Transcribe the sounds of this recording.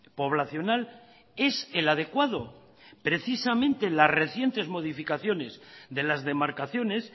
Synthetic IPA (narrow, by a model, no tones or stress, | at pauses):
po̞β̞laθjo̞nal | e̞selað̞e̞kwað̞o | pɾe̞θisamẽnt̪e̞lazre̞θje̞nt̪e̞zmo̞ð̞ifikaθjo̞ne̞zðe̞lazðe̞maɾkaθjo̞ne̞s